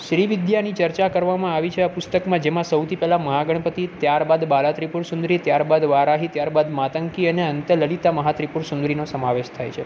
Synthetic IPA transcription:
ʃɾiʋɪd̪janit͡ʃəɾt͡ʃakəɾʋamãaʋit͡ʃʰeapʊst̪əkmãd͡ʒemãsəwt̪ʰipɛɦlaməɦaɡəɳ̃pət̪it̪jaɾbad̪balat̪ɾipuɾsund̪ɾit̪jaɾbad̪ʋaɾaɦit̪jaɾbad̪mat̪əŋkiəneənt̪ələlit̪aməɦat̪ɾipuɾsũnd̪ɾinosəmaʋeʃt̪ʰajt͡ʃʰe

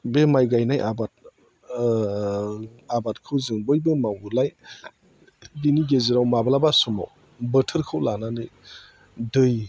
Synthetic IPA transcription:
bemajɡajnajʔabat̚ | abat̚kʰɯwzɯŋbɯjbemawulaj | diniɡeziɾawmabalabasuma̰w | bətʰəɾkʰɯwlananɯ | dɯj

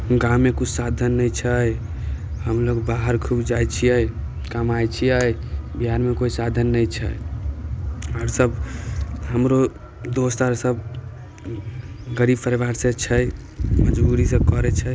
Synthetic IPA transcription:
ɡaːekut͡ʃʰsad̪ʱənːəjt͡ʃʰəj | ɦəmloɡbaɦəɾkʰubd͡ʒajt͡ʃʰijəj | kəmajt͡ʃʰijɛjbiɦaɾmekoisad̪ʱənːəjt͡ʃʰə̰ | əɾsəb | həmɾo | d̪ost̪aɾsəb | ɡəɾibpəɾeʋaɾsẽt͡ʃʰəj | məd͡ʒbuɾisəkɔɾɛt͡ʃʰə

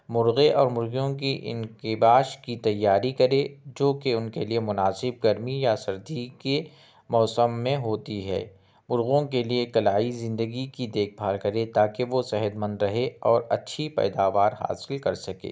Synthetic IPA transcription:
mʊɾɣeʔɔːɾmʊɾɣjõk̬iʔɪ̰̃nkɪbaːʃkit̪ɐjːaːɾikɐɾed͡ʒoːkeʊnkeliemʊnaːsɪb̚ɡɐɾmijasɐɾd̪ʱike | mɔːsəmːẽɦoːt̪iɦɛ̰ː | mʊɾɣõkeliekɐlaːizɪ̃nd̪əɡikid̪eːk̚ʰbʱaːlkɐɾet̪aːkeʋosɛɦəd̪mə̃nd̪ɾɐɦeɔːɾɐtːʃʰipɛ̰ːd̪aːʋaːɾɦa̰ːsɪlkɐɾsɐkḛː

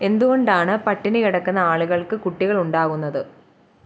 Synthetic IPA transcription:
e̞nd̪uɣoɳɖaːɳɨpɐʈːinɨiɽɐkːunːɐaːɭuɣɐɭkɨkuʈːiɣɐɭuɳɖaːɣunːɐðɨ

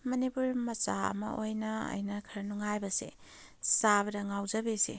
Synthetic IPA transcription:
mɐnipuɾmɐt͡ʃaɐ̰mɐ̰ʔojnɐɐ̰jnɐkʰɐɾnuŋajbɐsḛ | saβɐdɐŋawzɐbesḛ

